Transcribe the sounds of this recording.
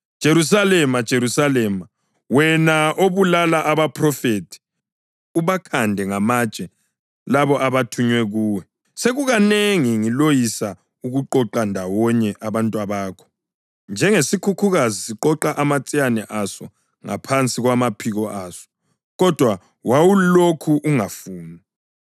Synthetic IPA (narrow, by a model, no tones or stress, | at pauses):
d̥ʒ̥ʱeɾus̬alɛmad̥ʒ̥ʱeɾusalɛːma | wɛnaʔoβulalaʔaβapʰrɔfetʰi̥ | uβakʰandʱɛŋamad̥t͡ʃʼɛ | laβɔʔaβatʰuɲwɛɣuːwɛ | seɣuɣaneŋiŋilojisa | uɣuǃɔǃandʱawɔɲɛʔaβantʼwaβaːkʰɔ̥ | nd͡ʒʱɛŋesikʰukʰuɣazisiǃɔǃaʔamat͡sʼijanɛʔasɔ | ŋa̰pʰant͡sʼiɣwamapʰiɣɔʔaːsɔ̥ | ɣɔd̥ʱwa | wawulokʰuʔuŋafuːna